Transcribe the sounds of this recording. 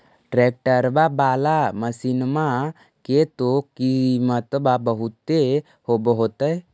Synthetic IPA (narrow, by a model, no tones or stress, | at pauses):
ʈɾeːk̚ʈəɾbabaːlaməsinma | ket̪okimət̪babəɦut̪ːe | hobɦot̪əe